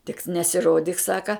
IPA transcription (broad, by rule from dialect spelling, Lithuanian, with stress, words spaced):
tʲɪk nʲɛsʲɪˈroːdʲiːk ˈsɑːkɐ